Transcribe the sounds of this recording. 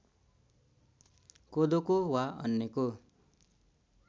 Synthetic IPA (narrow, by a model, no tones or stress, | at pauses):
kod̪okowaʌ̰nːeko